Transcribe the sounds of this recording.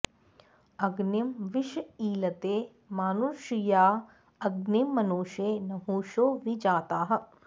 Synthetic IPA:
ɐɡnimʋɪʃiːlɐt̪eː | maːnuʃjaː | ɐɡnimːɐnuːʃeːnɐɦuːʃoːʋid͡ʒaːt̪aːɦɐ

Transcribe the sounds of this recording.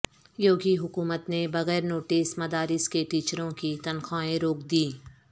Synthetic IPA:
joːɡiɦʊkuːmət̪nebɐɣɛːɾnoːʈiːsmɐd̪aːɾɪskeʈiːt͡ʃɾõkit̪ɐnxaːẽɾoːkd̪iː

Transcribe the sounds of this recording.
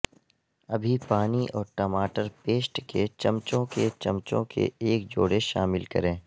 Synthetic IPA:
ɐbʱipaːniʔɔːɾʈɔːmaːʈəɾpeːsʈket͡ʃɐmt͡ʃõket͡ʃɐmt͡ʃõ̰kḛeːkd͡ʒo̰ːɽeʃaːmɪlkɐ̰ɾẽː

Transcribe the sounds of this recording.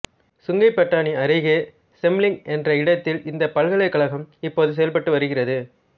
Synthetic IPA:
sʊŋɡɐɪpːɐʈːaːniɐɾɐɪɣeː | sɛmlɪŋɡɛndrɐɪɽɐt̪ːɪlʔɪnd̪ɐpːɐɭɣɐɭɐɪkːɐɭɐɣɐmɪpːoːðɯs̬ɛjɐlpɐʈːɯʋɐɾɯɣɪrɐðɯ

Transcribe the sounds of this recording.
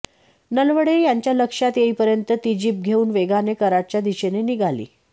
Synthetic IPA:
nəlʋəɽejaɲt͡ɕjaləkʂat̪jeɦiːpəɾjənt̪ət̪id͡ʑiːp̚ɡʱeuːnʋeɡʱanekəɾaʈ̚t͡ɕjad̪iɕeneniɡʱalḭː

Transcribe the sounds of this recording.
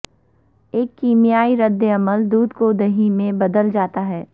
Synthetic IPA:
eːkːiːmijaːiɾɐd̪ːeɐməld̪uːd̪koːd̪əɦimẽbɐd̪əld͡ʒaːt̪aɦɛː

